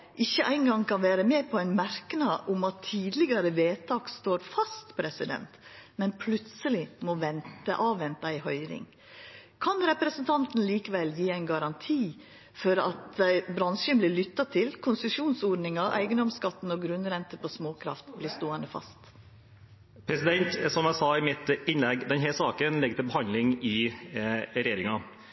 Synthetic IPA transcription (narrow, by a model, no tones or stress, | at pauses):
ʔɪçːəʔæɪŋɡɑŋkʰɑnʋæːɾəmeːpʰɔæɪnmæɾknɑʔʊmɑt̪ʰːiːd̪lɪɡɑɾəʋeːt̪ʰɑːkst̪oːɾfɑst̪pʰɾɛsɪd̪ɛ̰nt̪mɛnpʰlʉt̪səlɪmɔʋɛnt̪ə̰ʔɑːʋʋɛnt̪ɑɪhœʏɾɪ̰ŋ | kʰɑnɾɛpɾəsənt̪ʰɑnt̪n̩liːkəʋɛljiːæɪnɡɑɾɑnt̪ʰiː | fɔɾɑt̪bɾɑnʂənblɪɭʏt̪ːɑt̪ʰɪlkʰʊnsəʂuːnsoɖnɪŋɑʔæ̰ɪɡənd̪ɔmskɑt̪ːn̩ɔɡɾʉnɾɛnt̪əpʰɔsmoːkʰɾɑ̰ft̪blɪːst̪oːɛnəfɑ̰st̪ | pʰɾɛsɪd̪ɛnt̪sɔmæɪsɑɪmɪt̪ɪnlɛɡd̪ɛnɦɛsɑːkənlɛɡət̪ɪlbəhɑnd̪lɪŋɪ | ɾɛjeːɾɪŋɑ